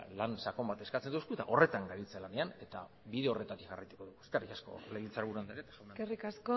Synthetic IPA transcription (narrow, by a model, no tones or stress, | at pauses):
lansako̞mbat̪e̞skat͡se̞nd̪uskuet̪a̰ʔo̞re̞t̪aŋɡaβit͡selane̞ane̞t̪a | βiðe̞o̞re̞t̪at̪ikɡʝa̰rajt̪u̥ko̞ðuɣueskarikasko̞̰leβilt͡saɾβuɾuand̪eɾet̪ḁsawnaerikasko